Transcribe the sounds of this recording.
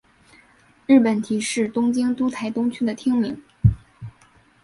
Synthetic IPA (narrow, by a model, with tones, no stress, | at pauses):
ɻɻ̩˥˩pə˨˩nt̪ʰi˧˥ʂɻ̩˥˩t̪ʊ˥ŋt͡ɕi˥ŋt̪u˥t̪ʰa˧˥ɪt̪ʊ˥ŋt͡ɕʰy˥d̪ə˨t̪ʰi˥ŋmi˧˥ŋ